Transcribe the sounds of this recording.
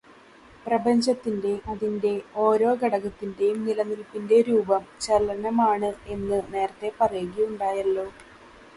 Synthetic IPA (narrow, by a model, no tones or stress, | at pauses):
prɐbɐɲd͡ʑɐt̪ːinde̞ɐðinde̞o̞ːɾo̞ːɡɐɽɐɣɐt̪ːinde̞jumnilɐnilpːinde̞ɾuːbɐmt͡ɕɐlɐnɐmaːɳɨe̞nːɨne̞ːɾɐt̪ːe̞pɐrɐjuɣiuɳɖaːjɐlːo̞ː